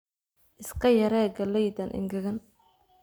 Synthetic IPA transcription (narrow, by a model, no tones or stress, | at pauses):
ʔɪskʰɐjɐɾɛːɡɐlɛjd̪ɐnʔɪ̰ŋɡɐɣɐn